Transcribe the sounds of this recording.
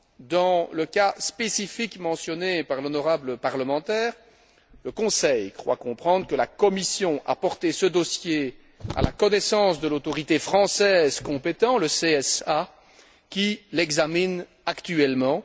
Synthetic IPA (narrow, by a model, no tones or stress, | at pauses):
d̪ɑ̃ləkaspesifikmɑ̃sjɔnepaʁlɔnɔʁabləpaʁləmɑ̃t̪ɛːʁ | ləkɔ̃sɛjkχwa̰kɔ̃pχɑ̃d̪ʁəkəlakɔmisjɔ̃ʔa̰pɔʁt̪esəd̪ɔsje | a̰la̰kɔnɛsɑ̃sd̪əlot̪ɔʁit̪efχɑ̃sɛːzkɔ̃pet̪ɑ̃ləseɛsa | kʲilɛɡzamin | akt̪yɛlmɑ̃